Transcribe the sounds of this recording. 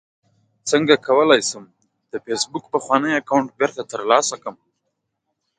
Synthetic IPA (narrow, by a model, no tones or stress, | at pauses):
t͡səŋɡakawəlɑjsum | d̪̥əfesbuk̚pəxwɑnəjakawʊɳʈ̚beɾt̪at̪əɾlɑsakəm